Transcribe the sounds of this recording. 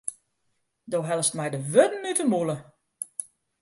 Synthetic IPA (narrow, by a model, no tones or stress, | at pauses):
doːɦɛlˠəstmɛjdəʋødn̩ytəmulˠə